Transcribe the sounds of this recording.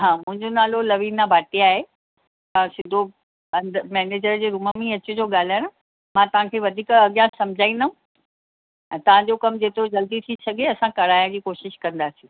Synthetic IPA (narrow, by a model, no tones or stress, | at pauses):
ɦãːmʊ̃ɦɪ̃ɲd͡ʑonaːlolɐʋiːnabʱaːʈiaːɦe | ɐsɪ̃nd̪ʱo | ɐ̃nd̪əmɛːneːd͡ʑəɾd͡ʑeːɾuːməmĩɐt͡ɕʊd͡ʑoːɠaːl̤aːɪɽ̃ʊ̆ | mãt̪ɐʋ̤ãkʰeːʋɐd̪ʱiːkɐɠjãsɐmd͡ʑʱaːĩnd̪əũ | t̪ɐʋ̤ãɲd͡ʑokɐmd͡ʑeːt̪ɾod͡ʑɐld̪it̪ʰisɐɡʱeɐsãkɐɽaːjad͡ʑiːkoːʃɪʃkɐ̃nd̪aːsijũː